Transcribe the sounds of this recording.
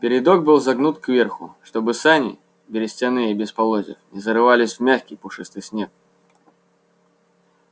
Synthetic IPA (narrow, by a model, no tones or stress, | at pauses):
pʲɪɾʲɪd̪o̞k̚bɨlˠzɐɡnut̪kvʲerxʊ̰ʂt̪o̞bɨsanʲɪ̰ | bʲɪɾʲɪsʲtʲɪnɨjəibʲɪspɐlˠozʲɪ̰fnʲɪzəɾɨvalʲɪsʲvmʲaxʲkʲɪjpʊʂɨst̪ɨsʲnʲek̚